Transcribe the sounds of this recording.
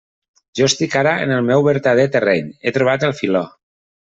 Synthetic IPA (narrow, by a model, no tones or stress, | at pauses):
ʒ̥ɔest̪ikaɾəə̰nəlˠmɛwβəɾt̪að̞et̪ərɛɲet̪ɾuβ̞at̪əlˠfilɔ